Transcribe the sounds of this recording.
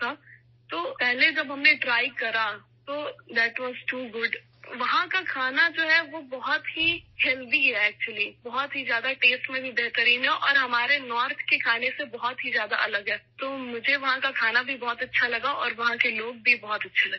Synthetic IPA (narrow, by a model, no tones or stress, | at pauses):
a | t̪oːpɛɦled͡ʒɐbɦɐmneʈɾaːɪkɐɾa | t̪oːd̪ɛːʈʋɔːzʈuːɡʊɖ | ʋɐɦãkakʰaːnad͡ʒoːɦɛʋobɔɦɔt̪ɦihɛld̪iɦɛːk̚t͡ʃuəlibɔɦɔt̪ɦizjaːd̪aʈeːsʈmẽbʱibeɦt̪əɾiːnɦɛʔɔːɾɦɐmaːɾenɔːɾt̪ʰkekʰaːnesebɔɦɔt̪ɦizjaːd̪aʔɐləɡɦɛːt̪oːmʊd͡ʒʱeʋɐɦãkakʰaːnabʱibɔːt̪ɐtːʃʰalɐɡaʔɔːɾʋɐɦãkeloːɡ̚bʱibɔɦɔt̪ɐtːʃʰalɐɡ